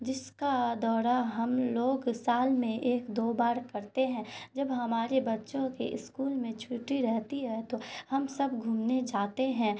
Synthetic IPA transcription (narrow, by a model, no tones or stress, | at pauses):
d͡ʒɪskad̪ɔːɾaɦɐmloːɡsaːlmẽʔeːkd̪oːbaːɾkɐɾt̪eɦɛ̃d͡ʒɐbɦɐmaːɾebɐtːʃõkḛʔɪ̰skuːlmẽt͡ʃʰuːʈiɾɛɦt̪iɦɛt̪ohɐmsɐbɡʱuːmned͡ʒaːt̪eɦɛ̃